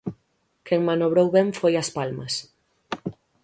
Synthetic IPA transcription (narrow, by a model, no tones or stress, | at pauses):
keŋmanoβɾowβeɱfojɐspalmɐs